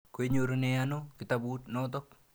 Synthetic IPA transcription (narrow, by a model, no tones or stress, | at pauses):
koeɲoɾoneanokɪtabutnɔt̬ɔk̚